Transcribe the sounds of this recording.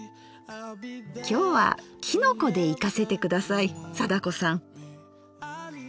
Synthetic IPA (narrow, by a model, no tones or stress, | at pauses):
kʲo̞ːβa̰kʲʰino̞ko̞d̪e̞ikase̞t̪e̞kɯ̟d̪asaisad̪ako̞sãŋ